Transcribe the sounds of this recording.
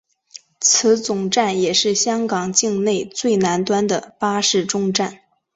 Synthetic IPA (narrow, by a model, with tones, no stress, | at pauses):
t͡sʰɹ̩˧˥t͡sʊ˨˩ŋʈ͡ʂa˥˩njɛ˨˩ʂɻ̩˥˩ɕjɑ˥ŋkɑ˨˩ŋt͡ɕi˥˧ŋne˥˧ɪt͡swe˥˩ɪna˧˥nt̪wa˥nd̪ə˨pa˥ʂɻ̩˥˩ʈ͡ʂʊ˥ŋʈ͡ʂa˥˩n